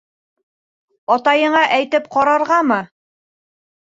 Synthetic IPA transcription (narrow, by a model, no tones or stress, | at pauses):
ɒt̪ɑjɤ̆ɴɑʔæjt̪ɘp̚qɒɾɑɾʁɑmɤ